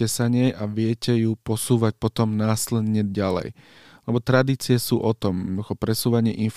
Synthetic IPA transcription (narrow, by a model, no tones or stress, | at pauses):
ɛsaɲɛjʔaʋɪɛcɛjupɔsuːʋac̚pɔt̪ɔmnaːslɛd̪ɲɛɟalɛ̰j | lɛbɔt̪ɾad̪iːt͡sɪɛsuːʔɔt̪ɔmxɔpɾɛsuːʋaɲɪɛʔinf